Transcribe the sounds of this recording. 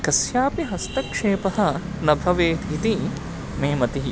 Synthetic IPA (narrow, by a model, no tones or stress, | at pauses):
kɐsjaːpiɦɐst̪ɐkʂeːpɐɦɐ̆ | nɐbʱɐʋeːt̪it̪i | meːmɐt̪iɦi